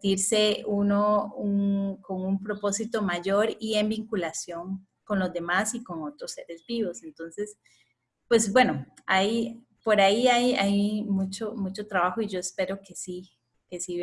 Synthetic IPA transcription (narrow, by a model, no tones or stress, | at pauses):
t̪iɾse̞unouŋko̞ŋumpɾo̞po̞sit̪o̞maʝo̞ɾie̞mbiŋkulasjo̞ŋ | ko̞nlo̞zd̪e̞masiko̞ŋo̞t̪ɾose̞ɾe̞zbiβo̞se̞nt̪o̞nse̞s | pwe̞sbwe̞no | aj | po̞ɾaiajajmut͡ʃomut͡ʃo̞t̪ɾaβaxoiʝo̞espe̞ɾo̞ke̞si | ke̞si